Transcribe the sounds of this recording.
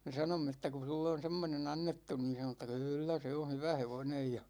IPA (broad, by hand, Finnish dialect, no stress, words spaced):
me sɑnomːe etːæ ku sulːe on̞ semːonen ɑnːetːu niːn̞ sɑno etːæ kylːæ se on̞ hyʋæ heʋonej jɑ